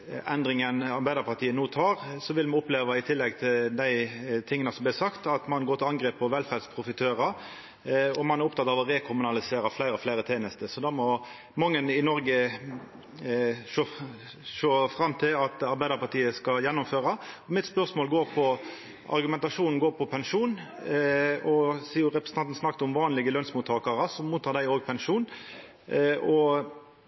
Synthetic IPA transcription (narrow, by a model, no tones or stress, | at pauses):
ɛnd̪ɾɪŋənɑɾbæɪd̪əɾpɑt̪ʰiːənoːt̪ʰɑːɾsɔʋɪlmɛʊpleːʋɑɪt̪ʰɪlːɛɡt̪ʰɪld̪æɪt̪ʰɪŋːənəsɔmb̪lɪsɑkt̪ɑt̪mɑnɡoːɾt̪ɪɑŋɡɾeːpɔʋɛlfæɾd̪spʰʁʊfɪt̪ʰøːɾə | ɔmɑnæɾʊp̚t̪ɑt̪ːɑːʋɔɾeːkʰʊmʉnɑlɪseːɾɑflæɪɾəɔflæɪɾət̪ʰeːnəst̪əsɔd̪ɑmɔ | mɑŋːənɪnɔɾɡə | ʃoːfɾɑmːt̪ʰɪlɑt̪ɑɾbæɪd̪əɾpɑʁt̪ʰiːəskɑjɛnːʊmføːɾɑɔmɪt̪spœʁsmoːlɡoːɾpʰɔ | ɑ̰ɾɡʉmɛnt̪ɑʂuːnn̩ɡoːɾpʰɔpʰɛnʂuːn | ɔsiːʊɾɛpɾʁəsn̩ʰɑnt̪n̩snɑk̚t̪ʊmʋɑːnlɪɡəlœnsmuːt̪ʰːɑːkɑɾəsɔmmuːt̪ːɑːɾd̪æɪoːɡpʰɛnʂuːn | ɔ